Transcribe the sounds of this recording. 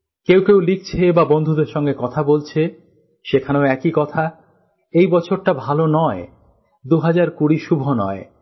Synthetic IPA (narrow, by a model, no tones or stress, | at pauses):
kewkewlik̚t͡ɕʰebabond̪ʱud̪eɾʃɔŋɡekɔt̪ʰabolt͡ɕʰe | ʃekʰaneoɛkikɔt̪ʰa | ejbɔt͡ɕʰoɾʈabʱalonɔe | d̪uɦad͡ʑaɾkuɾiʃubʱonɔe